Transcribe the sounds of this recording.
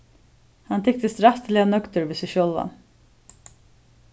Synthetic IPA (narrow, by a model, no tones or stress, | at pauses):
hɑnt̪ʰɪk̚t̪əst̪ɾɑft̪lɪɑnœkt̪əɾʋeːsɛʃœlʋɑ̰n